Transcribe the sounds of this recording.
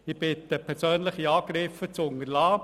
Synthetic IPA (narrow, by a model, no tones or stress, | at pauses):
ɪb̥ɪt̪əpʰɛɾsøːnləχiɑːɡ̥ɾɪfət͡sʊŋəɾlɑː